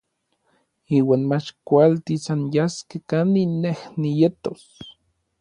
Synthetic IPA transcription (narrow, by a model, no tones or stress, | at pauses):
iːwaːnmat͡ʃkʷalt̪isanjaskekaninːehnijet̪os